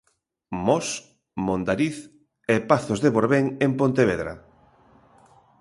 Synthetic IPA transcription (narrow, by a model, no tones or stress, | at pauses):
mɔs | mond̪aɾiθ | ɛpaθozðeβoɾβeŋempont̪eβ̞eðɾa̰